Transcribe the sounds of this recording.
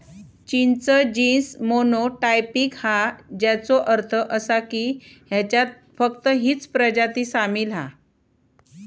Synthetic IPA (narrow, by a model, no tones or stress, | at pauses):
t͡ɕint͡səd͡ʑinsmonoʈajpikhad͡ʑat͡soʔəɾt̪ʰəʔəsakiːɦjat͡ɕjat̪̚ | fəkt̪əɦiːt͡spɾəd͡ʑat̪iːsamiːlɦa̰